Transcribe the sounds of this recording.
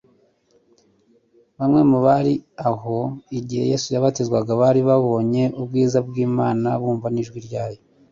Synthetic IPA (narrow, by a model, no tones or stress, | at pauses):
βamŋe̞muβaɾiaɦoiɟiheje̞sujaβatezwaɡaβaɾiβaβo̞ːɲe̞ubɡiːzabɡiːmaːnaβuːɱvaniʒɡwiɾɟaːjo